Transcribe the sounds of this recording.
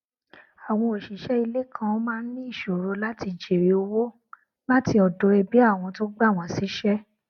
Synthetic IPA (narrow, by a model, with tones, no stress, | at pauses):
a˨w̃ɔ̃˧o˨ʃi˨˦ʃɛ˦i˧le˦kʰã˧o˦mãː˦n̩˦nĩ˦i˦˨ʃo˨ɾo˧la˦ti˧˨d͡ʒe˨ɾe˨˦o˧wo˦ | la˦ti˧ɔ˨do˨˦ɾɛ˧bi˨˦a˦˨w̃ɔ̃˧to˦ɡ͡ba˦˨w̃ɔ̃˧˨si˨˦ʃɛ˦